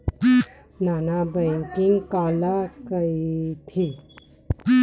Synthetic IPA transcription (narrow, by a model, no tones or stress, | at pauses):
naːnabəŋkiŋɡkaːlakəit̪ʰi